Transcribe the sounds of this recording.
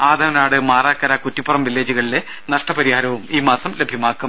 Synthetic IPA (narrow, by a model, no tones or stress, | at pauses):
aːd̪ʱɐɾɐnaːɽɨmaːraːkːɐɾɐkutːipːurɐmʋilːeːd͡ʑuɣɐɭile̞ | nɐʂʈɐpɐɾihaːɾɐʋumiːmaːsɐmlebʱjɐmaːkːu